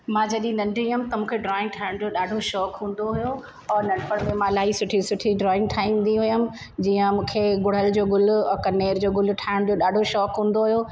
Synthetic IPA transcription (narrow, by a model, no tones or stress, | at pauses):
mãːd͡ʑɐɗiĩnɐ̃ɳɖʱɾiɦʊmɪ̃t̪ɐmũːkʰeɖɾɔːɪ̃ŋɡʈʰaːɪɽ̃d͡ʑoːɗaːɖʱoʃɔːkɦũːn̆d̪oɦʊjo | ɔːɾnɐ̃ɳpəɽ̃mẽmãːlaːisʊʈʰisʊʈʰiɖɾɔːɪ̃ŋɡ̚ʈʰaːĩːmnd̪iɦʊjəmɪ̆ | d͡ʑiːə̃mũːkʰeɡʊɽ̤əld͡ʑoːɡʊlʊkɐneːɾd͡ʑoːɡʊlʈʰaːɪɽ̃d͡ʑoːɗaːɖʱoʃɔːkɦũːn̆d̪oɦʊujo